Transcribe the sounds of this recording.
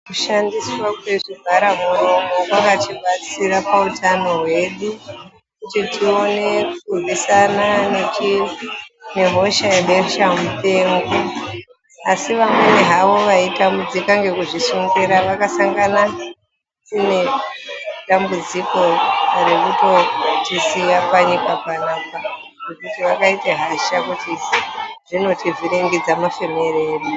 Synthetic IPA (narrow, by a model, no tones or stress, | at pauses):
kuʃandiswakwe̞ʐibʱaɾamuro̞mokwakat͡ʃiɓat͡siɾapautʰano̞ɦwe̞ɗu | kutitʰio̞ne̞kuisananet͡ʃi | ne̞ɦo̞ʃaeɗeʃamute̞ːŋɡu | asiʋamweneɦaʋo̞ʋaitambud͡zikaŋɡe̞kuʐisiŋɡeɾaʋakasaŋɡana | tine̞ | ɗambud͡ziko̞rekuto̞tisiapwaɲikapanaːpa | rekutiʋakaiteɦaʃakuti | ʐ̥ino̞tiʐiɾiŋɡid͡zamafe̞me̞reːɗu